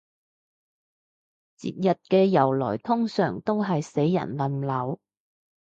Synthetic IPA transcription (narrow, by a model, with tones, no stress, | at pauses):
t͡sḭː˨˩t̚jɐ˨t̚kɛː˧jɐ˨˩wlɔ̰ː˨˩jt̪ʰʊ˥ŋsœː˨˩ŋt̪o˥wɦɐ˨jse˨˥jːɐ̰˨˩nlɐ˨˧mlɐ˨˧˥w